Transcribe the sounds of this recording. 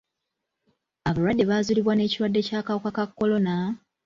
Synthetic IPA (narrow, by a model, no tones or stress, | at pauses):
aβalwadːe̞βaːzuliβwane̞ːciɾwadːe̞caːkawokakakːo̞lo̞na